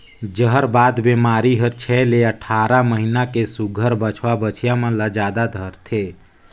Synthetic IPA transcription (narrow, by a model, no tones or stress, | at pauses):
d͡ʒəɦəɾbaːd̪bemaːɾiɦəɾt͡ʃʰɛleəʈʰaːɾaməɦinakesuɡʱəɾbət͡ʃʰʋabət͡ʃʰjãmə̃lad͡ʒaːd̪ad̪ʱəɾt̪ʰe